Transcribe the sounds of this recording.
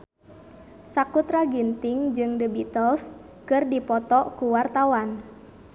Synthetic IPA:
sakut̪ɾaɡint̪iŋd͡ʒɨŋdəbit̪ɔls | kɨrdipɔt̪ɔkuwart̪awan

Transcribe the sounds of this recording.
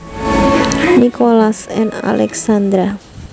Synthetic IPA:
nikʰolasɛna̰lɛ̰ksand̪ɾa

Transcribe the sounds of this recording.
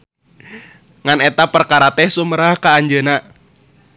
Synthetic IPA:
ŋanɛt̪apərkaɾat̪ɛhsuməɾahkaːɲd͡ʒəna

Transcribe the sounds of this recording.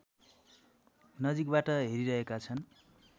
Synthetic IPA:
nʌd͡zik̚baʈʌɦeɾiɾʌɦekat͡sʰʌn

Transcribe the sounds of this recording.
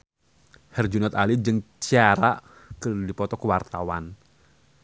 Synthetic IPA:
hɛrd͡ʒunat̪alid͡ʒəŋt͡ʃiaɾa | kərdipɔt̪ɔkəwart̪awan

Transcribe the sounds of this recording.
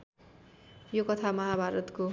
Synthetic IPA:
jokʌt̪ʰamʌɦabʱaɾʌt̪ko

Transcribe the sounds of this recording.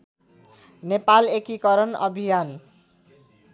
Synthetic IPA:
nepalekikʌɾʌnʌ̰bʱijan

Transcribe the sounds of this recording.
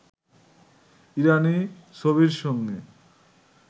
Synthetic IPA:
iɾani | ʃoβiɾʃɔŋɡe

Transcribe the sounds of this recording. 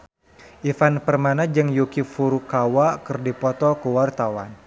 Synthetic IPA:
ʔifanpərmanad͡ʒɨŋjukifuɾukawakərdipɔt̪ɔkəwart̪awa̰n

